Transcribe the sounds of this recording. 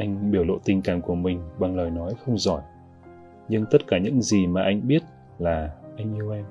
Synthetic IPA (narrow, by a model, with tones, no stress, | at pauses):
ʔa˧jŋ̟ɓi˧˩əwlo̰˧˨t̪i˨˩ŋ̟kaː˨˩nku˧˩əmï˨˩ŋ̟ɓa˨˩ŋləː˨˩jnɔ˨˦jxə˧wŋ͡mzɔ˧˩j | ɲɨ˧ŋt̪ə˦˥t̚kaː˧˩ɲɨ̰˧˥ŋzi˨˩maː˨˩ʔa˧jŋ̟ɓi˦˥ət̚ | laː˨˩ʔa˧jŋ̟ʔi˧əwʔɛ˧m